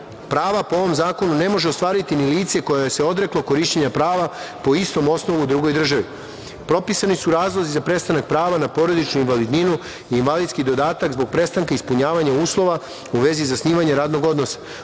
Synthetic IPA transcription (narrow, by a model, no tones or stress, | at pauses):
pɾaːʋapooʋo̞mzaːko̞nune̞mo̞ʒeo̞st̪ʋaːɾit̪iniliːt̪se̞ko̞jajese̞o̞d̪ɾe̞klˠoko̞ɾiʃt͡ɕeɲapɾaːʋapo̞ist̪o̞mo̞sno̞ʋud̪ɾuɡo̞jd̪r̩ʒaʋi | pɾo̞pisanisuɾaːzlˠo̞zizapɾe̞st̪anak̚pɾaːʋanapo̞ɾo̞d̪it͡ʃnuinʋalid̪ninu | iːnʋalid̪skid̪o̞d̪aːt̪akzbo̞ɡ̚pɾe̞st̪aŋkaispuɲaːʋaɲauːslˠo̞ʋa | uʋe̞zizasniːʋaɲeɾaːd̪no̞ɡo̞d̪no̞sḁ